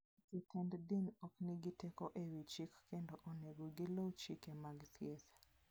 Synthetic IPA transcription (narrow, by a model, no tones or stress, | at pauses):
kitɛnddinɔknɪɡitekoʔewit͡ʃikːendoʔoneɡoɡilowt͡ʃikemaɡt̪jetḁ